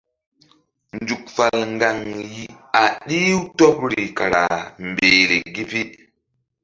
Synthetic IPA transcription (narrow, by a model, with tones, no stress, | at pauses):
nd͡ʒu˨k̚fa˨lŋɡa˨ŋji˨ | a˨ɗi˦wto˦pɾi˨ka˨ɾa˨mbe˨ɾe˨ɡi˦pi˦